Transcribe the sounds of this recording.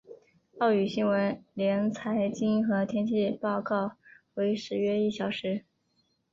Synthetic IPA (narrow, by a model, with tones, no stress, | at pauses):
ɑ˥˩ʊy˨˩ɕi˥ŋwə˧˥nljɛ˧˥nt͡sʰa˧˥ɪt͡ɕi˥ŋxɤ˧˥t̪ʰjɛ˥nt͡ɕʰi˥˧˩pɑ˥˧ʊkɑ˥˩ʊxwe˧˥ɪʂɻ̩˧˥ɥɛ˥i˥˩ɕjɑ˨˩ʊʂɻ̩˧˥